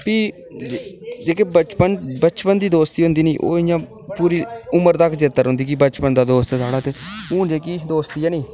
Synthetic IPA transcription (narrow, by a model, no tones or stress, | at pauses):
piː | d͡ʒeːkeːbət͡ʃpənbət͡ʃpənd̪iːd̪oːst̪iːɦʊ̃nd̪iːniːʔo̰ːɪjãː | puːɾiːʊməɾt̪akʰd͡ʒet̪əɾɦʊ̃nd̪iːk̬ɪbət͡ʃpənd̪aːd̪oːst̪eːsaːɽaːt̪eːũːd͡ʒeːkiːd̪oːst̪iːaːnĩː